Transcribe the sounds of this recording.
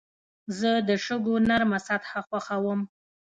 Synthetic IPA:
zəd̪əʃəɡonaɾmasat̪xaxwaxawəm

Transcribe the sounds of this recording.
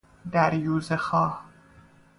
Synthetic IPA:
d̪æɾjuːzexɒːh

